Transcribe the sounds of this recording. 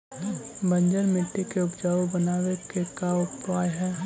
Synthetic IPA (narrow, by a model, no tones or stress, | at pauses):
bɐ̃ɲd͡ʒəɾmɪʈːekeʊpd͡ʒaːobɐnaːwekekaʊpaːjɦɛː